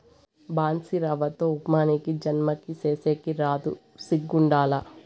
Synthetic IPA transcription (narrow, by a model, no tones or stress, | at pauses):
baːnsiɾɐʋɐt̪oːupmaːnikid͡ʒɐnmɐkiseːseːkiɾaːd̪u | siɡːuɳɖaːlɐ